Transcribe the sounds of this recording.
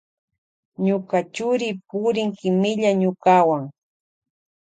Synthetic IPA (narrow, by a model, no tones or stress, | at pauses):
ɲʊkat͡ʃʊɾɪpʊɾɪŋkɪmɪʎaɲʊkawaŋ